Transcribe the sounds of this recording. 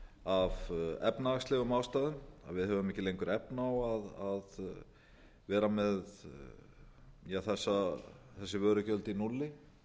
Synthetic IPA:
avɛ̰pnaaxst̪ɪɣʏmawst̪aːðʏna̰ðvɪðhɛvʏmɛhcɪlejŋkʏɾɛpnawaðað | vɛːɾamɛð | jaθɛsːaθɛsːɪvœːɾʏcœlt̪ɪinulːɪ

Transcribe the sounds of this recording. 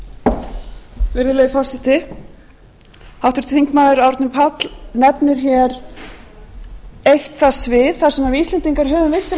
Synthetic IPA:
vɪɾðɪlejðɪfaːsɪt̪ɪ | hawht̪ʏɾ̥t̪θiŋkmaːðʏɾawɾt̪nʏmpʰat̪lnɛpnɪɾ̥çɛɾ | ejht̪θasvɪðθaɾ̥sɛmavist̪lɛnt̪iŋkaɾ̥ɦœːvʏmvɪsːa

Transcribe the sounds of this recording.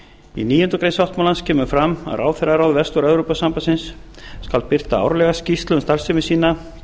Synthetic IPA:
ḭniːjʏnt̪ʏkɾejnsawht̪malanscʰɛːmʏfɾama̰ɾa̰ːwθɛraɾawðvɛst̪ʏɾɛvɾopasampasɪnsː | kalpɪr̥t̪aa̰wɾlɛɣascist̪lʏnst̪ar̥sɪmɪsiːna

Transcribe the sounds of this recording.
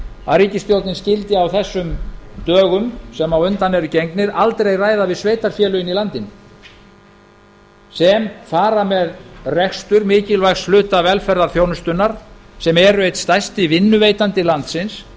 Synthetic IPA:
aðɾiːcɪst̪jowlt̪nɪnscɪlt̪ɪawθɛsːʏmt̪œːɣʏmsɛmawʏnt̪anɛɾʏcejŋknɪɾalt̪ɾejraːjðavɪðsveːjt̪aɾ̥fjɛːlʏɪnːilant̪ɪn | sɛmfaːɾamɛðrɛxst̪ʏɾmɪːcɪlvajsflʏːt̪avɛlfɛɾðaɾ̥θjoːwnʏst̪ʏnːaɾ̥sɛmɛɾʏejt̪st̪ajst̪ɪvɪnːʏvejt̪ant̪ɪlant̪sɪns

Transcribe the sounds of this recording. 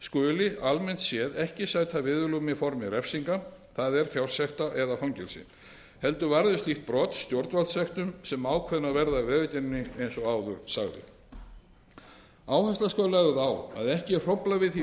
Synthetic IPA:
skœːlɪalmɛn̥t̪sjɛðɛhcɪsajt̪ʰavɪðʏlumɪfɔɾmɪɾɛfsiŋka | θaðɛɾ̥θjawrsjɛht̪aʔɛðafawɲcɛlsɪ̰ | hɛlt̪ʏvaɾðʏst̪lixt̪̚pɾɔːt̪st̪jɔwɾt̪valt̪sɛxt̪ʏmsɛmaːwkʰvɛnːavɛɾðavɛːðʏc̪ɛnnːɪejnsɔaːwðʏɾsaɣðɪ̰ | aːwhɛst̪askaːlaɣðaːwa̰ðɛhcɪr̥ɔplavɪθi

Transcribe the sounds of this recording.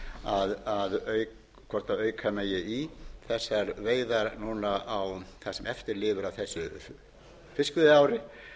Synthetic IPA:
aðaðœɥ | kʰvɔɾ̥t̪aœːɥkʰameːjɪiθɛsːaɛɾveːjðaɾnuːnaʔawθasɛmʔɛft̪ɪɾlɪːvʏɾawθɛsːʏ | fɪskʏðɪaːwɾɪ

